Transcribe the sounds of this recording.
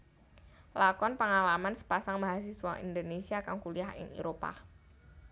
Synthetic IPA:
lakɔnpəŋalamansə̥pasaŋbaɦas̬iswaḭndonesiakaŋkuliahɪ̰ŋeɾopa̰

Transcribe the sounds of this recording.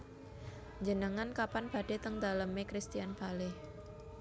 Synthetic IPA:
ɲd͡ʒənəŋankapanb̥a̤ɖ̥e̤t̪əŋd̪aləmekɾist̪ijanpaleh

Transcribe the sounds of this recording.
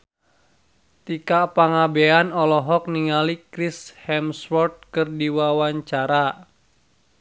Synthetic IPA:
t̪ikapaŋabeanɔlɔɦɔk̚niŋalikɾishɛmsfɔrt̪̚kɨrdiwawaɲt͡ʃaɾa

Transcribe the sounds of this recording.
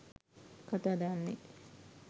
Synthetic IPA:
kat̪aːd̪anːe

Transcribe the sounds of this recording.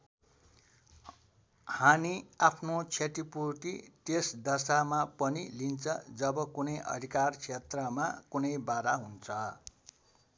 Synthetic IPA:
hamiapʰnot͡sʰeʈ̪ipurʈiʈesd̪ʌsamapʌnilint͡sʰʌd͡zʌbʌkunʌjʔʌ̰d̪ʱikarkt͡sʰet̪rʌma̰kunʌjbaɾaɦunt͡sʰʌ

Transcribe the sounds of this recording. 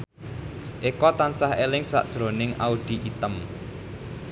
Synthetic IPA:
ʔekɔt̪ansaɦelɪŋsa̰ʔd̥ʒ̥ɾo̤nɪŋʔaud̪̥i̤ʔit̪əm

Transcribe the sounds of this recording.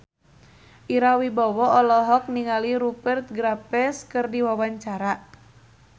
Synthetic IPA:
ʔiɾawibɔwɔɔlɔɦɔk̚niŋaliɾubɛrt̪̚ɡɾapɛskɨrdiwawaɲt͡ʃaɾa

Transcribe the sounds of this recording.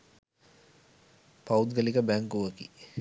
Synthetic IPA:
paud̪ɡəlikəbæŋkuʋəkḭ

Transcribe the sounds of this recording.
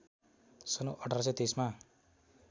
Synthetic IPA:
sʌnuʔʌʈʰaɾs̬ʌt̪esma

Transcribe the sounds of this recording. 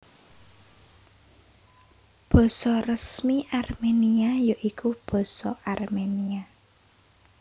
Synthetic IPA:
b̥ɔ̤sɔrəsmiʔarmeniajaʔikub̥ɔ̤sɔʔarmenia

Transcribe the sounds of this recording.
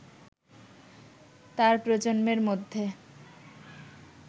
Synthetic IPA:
t̪aɾpɾod͡ʑonmeɾmod̪ʱːe

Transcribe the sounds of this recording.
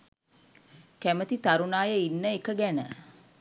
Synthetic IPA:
kæmət̪it̪aɾunaːjəinːəekəɡænə

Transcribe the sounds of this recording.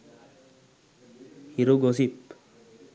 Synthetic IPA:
hiɾoɡosip

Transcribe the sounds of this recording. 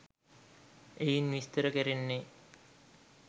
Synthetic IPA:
ejinʋist̪əɾəkeɾenːe

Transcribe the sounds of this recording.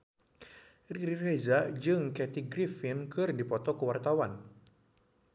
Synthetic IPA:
ririrɛzaʔd͡ʒɨŋkɛt̪iɡɾifɪnkɨrdipɔt̪ɔkəwart̪awan

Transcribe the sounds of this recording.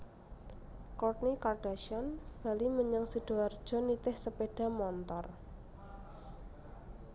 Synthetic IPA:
kɔtnikarɖ̥a̤ʃɔnb̥a̤liməɲaŋsəd̥o̤ard̥ʒ̥ɔ̤nit̪ɪhsəpeɖ̥a̤mɔnt̪ɔr

